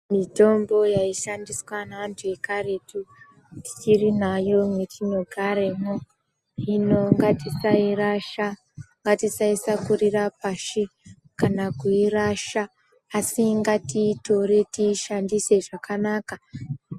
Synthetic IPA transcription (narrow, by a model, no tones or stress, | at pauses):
mito̞mbo̞jaiʃandiswanaantʰue̞kare̞tu | ti̥t͡ʃirinajo̞metino̞ɡʱaɾemo | ino̞ŋɡatisairaʃa | ŋɡatisaisakurirapaʃe | kanakuiraʃaː | siŋɡatito̞ɾe̞tiʃandise̞ʐakanaka